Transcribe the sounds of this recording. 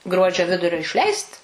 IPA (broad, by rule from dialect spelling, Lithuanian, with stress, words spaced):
ˈɡruɔd͡ʒʲoː ˈʋʲɪdʊrʲoː ɪʃʲˈlʲɛɪst